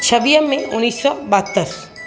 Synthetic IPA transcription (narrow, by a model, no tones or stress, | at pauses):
t͡ʃʰɐbijəmẽʊnːiːsːɔbat̪ːəɾs